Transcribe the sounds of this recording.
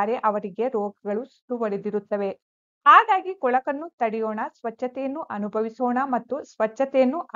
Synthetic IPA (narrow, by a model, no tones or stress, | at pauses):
ɾe̞ʔɐʋɐɾiɡe̞ɾɔːɡɐɡɐɭusʈ̪uʋɐɾed̪iɾut̪ːɐʋe̞ | aːɡ̪aːɡikɔɭɐkɐnːut̪ɐɽɛjoːɳɐsʋɐt͡ʃːɐt̪ɛjɐnːuʔɐnubʱɐʋisoːɳɐmɐt̪ːusʋɐt͡ʃːɐt̪ɛjɐnːuʔ